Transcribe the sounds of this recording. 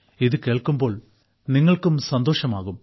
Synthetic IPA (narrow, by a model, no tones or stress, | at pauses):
iðɨke̞ːɭkumbo̞ːɭ | niŋːɐɭkumsɐnd̪oːʂɐmaːɣum